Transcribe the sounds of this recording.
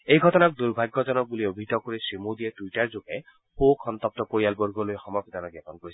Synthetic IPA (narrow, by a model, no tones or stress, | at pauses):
ejɡʱɔtɔnak̚d̪uɹbʱaɡːɔzɔnɔk̚buliobʱit̪ɔkoɹisɹimud̪iɛtwitaɹzokɛ | pokʰɔnt̪ɔp̚tɔpoɹijalboɹɡɔlojxɔmɔkɔd̪anɔɡapɔnkoɹisɛ